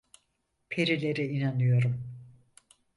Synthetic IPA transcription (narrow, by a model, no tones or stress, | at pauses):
pʰeɾilʲe̞ɾiinanɯjo̞ɾum